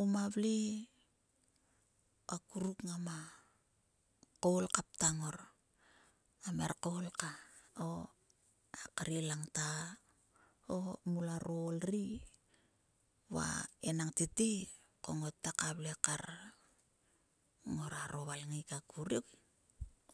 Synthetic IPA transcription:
umaβli | akuɾukŋama | kolkap̚taŋo̞ɾ | ameɾkolkao | akaɾilaŋta | omulaɾolɾi | βa̰enaŋtiti | ko̞ŋo̞tːakaβlekaɾ | ŋo̞ɾaɾo̞βalŋikakuɾik

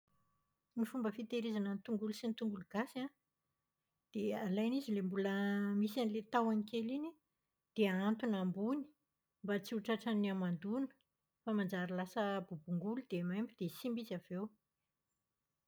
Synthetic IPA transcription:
nifumbəfit̪eɾezanənt̪uŋɡulusinit̪uŋɡuluɡasa | d̪̥ealajnizilembuləmisanilet̪awanikʲelini | d̪̥eant̪unambuni̥ | mbat͡siuʈ͡ʂaʈ͡ʂaniamand̪unə̥ | famand͡zaɾilasəbubuŋɡulud̪̥emajmbid̪esimbizav̥ew

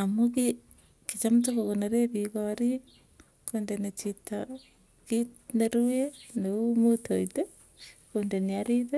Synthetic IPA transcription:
amuki | kit͡ʃamtokokoneɾeβikoaɾi | kondenet͡ʃita | kineɾueneumotʰoite | kondeniaɾiðe

